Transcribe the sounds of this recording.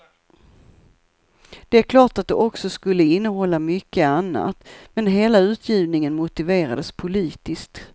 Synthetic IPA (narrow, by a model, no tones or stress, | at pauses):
d̪̥ɛæɾkʰlɑːʈat̪̚d̪ɛʔɔksɔskɵlːəɪnːəɦɔlːamʏkːəanːa̰t̪mɛnɦeːlaʉ̟ːt̪ʰjiːvnɪŋənmʊt̪ɪveːɾa̰d̪əspʰʊliːt̪ɪskt̪